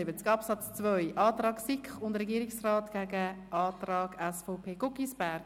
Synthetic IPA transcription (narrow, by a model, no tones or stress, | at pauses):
ɪbət͡skɑpsɑt͡st͡svœʏʔɑːtrɑːɡsɪkχʊndɾɛɡiːɾiksraːtɡ̥æɡəʔɑːtrɑːɡɛsfɔʊpʰeːɡ̥ɔkisbæɾɡ